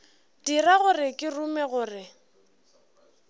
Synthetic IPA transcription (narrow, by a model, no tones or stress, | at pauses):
d̥iraɣʊrɪkʼɪrumɛɣʊːrɪ